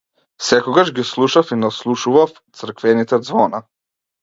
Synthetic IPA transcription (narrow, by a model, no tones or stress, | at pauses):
sɛkɔɡaʒɡislˠuʃafinaslˠuʃuvaft̪sr̩kvɛnit̪ɛd̪zvɔna